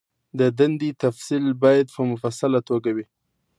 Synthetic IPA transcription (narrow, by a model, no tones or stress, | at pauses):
d̪əd̪and̪it̪afsilbɑjad̪pəmʊfasalat̪oɡawi